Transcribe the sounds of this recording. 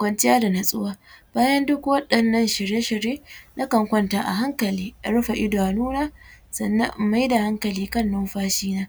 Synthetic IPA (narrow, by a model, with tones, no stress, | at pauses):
kʷɐ˨nt͡ʃɪ˦jaː˦da˨na˨sʼʊ˦waː˦b̥aː˦jɐ˦ndʊ˦kwɐ˦ɗɐ˨nːɐ˦nʃɪ˨ɽje˦ʃɪ˨ɾjeː˦nʔa˦kɐ˨ŋkʷɐ˦ntaː˨ʔa̰˨ɦa˦ŋkɐ˨liː˦ʔa̰˨ɽɐ˦ɸa˨ʔɪ˦daː˨nuː˦naː˦sɐ˨nːɐ̰˦mʔma˦jda˨ha˦ŋkɐ˨liː˦kɐ˦˨nːʊ˦mɸaː˦ʃiː˦naː˦